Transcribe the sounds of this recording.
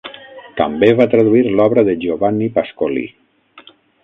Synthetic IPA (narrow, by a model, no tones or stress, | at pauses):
t̪əmbeβat̪ɾaðuiɾlɔβɾəðəʒoβanipaskolḭ